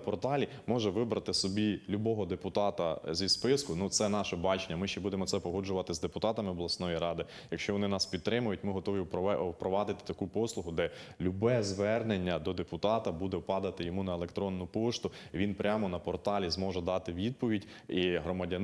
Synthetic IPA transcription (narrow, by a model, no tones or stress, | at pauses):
pɔrt̪ɑlʲimɔʒɛʋɪbɾɐt̪ɪsɔbʲilʲubɔɦɔd̪epʊt̪ɑt̪ɐ̰zʲispɪskʊnut̪sɛnɑʃɛbɑt͡ʃenʲːɐmɪʃt͡ʃɛbud̪emɔsɛpɔɦɔd͡ʒʊʋɐt̪ɪzd̪epʊt̪ɑt̪ɐmɪɔblˠɐsnɔjiɾɑd̪ɪ | jɐkʃt͡ʃɔʋɔnɪnɑspʲidt̪ːɾɪmʊjʊtʲmɪɦɔt̪ɔʋʲiwwpɾɔʋɑd̪ɪt̪ɪ̥t̪ɐkupɔslˠʊɦʊd̪ɛlʲubɛzʋɛrnenʲːɐd̪ɔd̪epʊt̪ɑt̪ɐbud̪ɛwpɑd̪ɐt̪ɪjɔmunɐelˠekt̪ɾɔnːʊpɔʃt̪ʊiʋʲinpɾʲamɔnɐpɔrt̪ɑlʲizmɔʒɛd̪ɑt̪ɪʋʲid̪̚pɔʋʲidʲ | iɦɾɔmɐdʲɐn